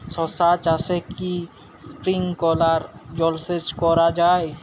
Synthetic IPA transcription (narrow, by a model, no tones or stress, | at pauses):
sɔsat̪aseki | spɾɪ̃ŋɡkɔlaɾd͡ʒɔlset͡ʃkɔɾad͡ʒaːe